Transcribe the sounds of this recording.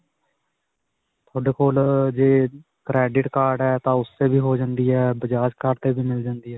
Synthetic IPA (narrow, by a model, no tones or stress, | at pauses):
t̪ʰoːɖeːkoːld͡ʒeː | kɾɛːɖɪʈkaːɾɖɛːt̪ãːʊsːeːbiːɦoːd͡ʒãːnd̪iːɛːbəd͡ʒaːt͡ʃkaːɾɖt̪eːbiːmɪld͡ʒãːnd̪iːɦɛː